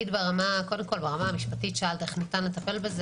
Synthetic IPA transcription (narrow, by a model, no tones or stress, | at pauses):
idbeʁamakodemko̞lbeʁamaːamiʃpatitʃealt̪eχnitanletape̞lbez